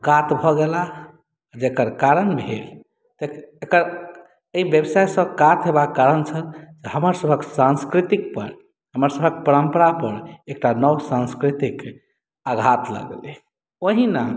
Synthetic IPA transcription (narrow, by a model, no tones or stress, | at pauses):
kat̪bʱɔɡela | d͡ʒekəɾkaɾənbʱel | t̪eekəɾ | eibjəbsajsə̃bkat̪ɦebakkːaɾənt͡ʃʰəld͡ʒehəməɾsəbʱəksãnskɾit̪ik̚pə̰ɾ | ɦəməɾsəbʱək̚pəɾəmpəɾapəɾek̚ʈanəwsãnskɾit̪ik | aɡʱat̪lə̰ɡle | oɦina